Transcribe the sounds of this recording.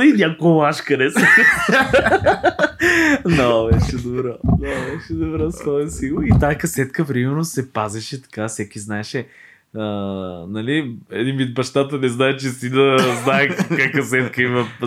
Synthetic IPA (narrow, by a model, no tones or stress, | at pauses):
inʲakoɛlˠaʃkɐɾɛs | nɔbɛʃɛd̪obɾɔnɔvɛʃɛd̪obɾɔsvɔɛsilˠoit̪akɐsɛt̪kəpɾimɛɾnosɛpazɛʃɛt̪ɐ̥kafsɛkiznaɛʃɛ | ənɐliɛd̪invid̪̚bɐʃt̪at̪ənɛznaɛt͡ʃɛst̪inəznaɛkkakɐsɛt̪̚kəimɐ